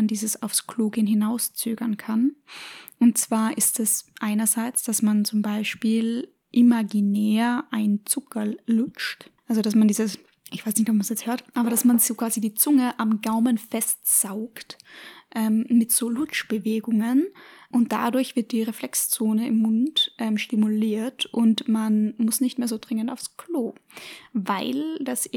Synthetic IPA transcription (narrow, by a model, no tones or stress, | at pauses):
ndiːzəsaʊfskʰl̥oːɡənɦɪnaʊst͡søːɡɐnkʰan | ʔʊnt̚t͡sv̥aːɐʔɪstɛsʔaɪnɐzaɪt͡sd̥asmant͡sʊmbaɪʃpiːl | ʔimaɡinɛːɐʔaɪnt͡sʊkʰɐlʊt͡ʃtʔalzodasmandiːzəs | ʔɪçv̥aɪsnɪçtɔp̚mansjɛt͡sthøːɐtʔaːbɐɾ̥asmanzokv̥aːzidiːt͡sʊŋəʔamɡaʊmənfɛstz̥aʊktʔɛmmɪtz̥oːlʊt͡ʃb̥əveːɡʊŋənʔʊnt̚d̥a̰dʊɐçv̥ɪɐt̚d̥iːʁeflɛkst͡soːnəɪmːʊntʔɛmʃtimʊliːɐtʔʊntmanmʊsnɪçtmeːɐzoːdʁɪŋəntaʊfskʰl̥oː | vaɪld̥as